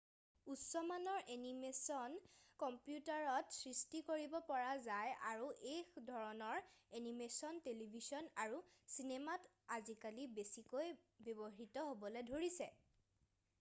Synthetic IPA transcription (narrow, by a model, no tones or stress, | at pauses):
usɔmanɔɹʔenimesɔnkɔmpjutaɹɔtsɹistikoɹibɔpɔɹazajʔaɹuʔexdʱɔɹɔnɔɹenimesɔntelibʱizɔnaɹusinemat | azikalibesikojbɔbɔɦitɔɦobɔledʱoɹisɛ